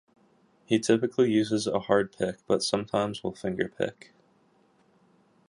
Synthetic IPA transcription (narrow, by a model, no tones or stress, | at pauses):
hitʰɪpɨkʰlijʉzɨzəhɑɹd̚pʰɪk̚b̥ʌtsʌ̃mtʰãɪ̃mzwəlˠfɪ̃ŋɡə˞pʰɪ̰k